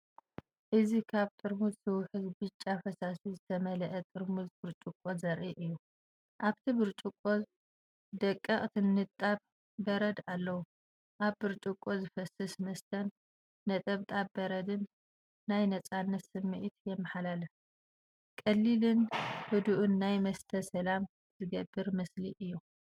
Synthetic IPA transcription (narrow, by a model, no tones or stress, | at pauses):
ʔɨzikʰaβt̪ʼɨɾmuzsɨwħɨzbɨt͡ʃʼːafɐsasizɨt̪ʰɐmɐlɐʔɐt̪ʼɨɾmuzbɨɾt͡ʃʼukʼːozɐɾʔiʔɨjːu | ʔaβt̪ʰibɨɾt͡ʃʼukʼːoz | d̪ɐkʼːɐχʼt̪ʰɨnːɨt̪ʼaβ | bɐɾɐd̪alːɐwu | ʔaβːɨɾt͡ʃʼukʼːozɨfɐsɨsmɐst̪ʰɐnː | ɐt̪ʼɐβt̪ʼabbɐɾɐd̪ɨnː | ajnɐt͡sʼanːɐt̪sɨmːɨʔit̪jɛmːɐħalalɐ | kʼɐlːilɨnhɨd̪uʔunːajmɐst̪ʰɐsɐlam | zɨɡɐbːɨɾmɐsliʔɨjːu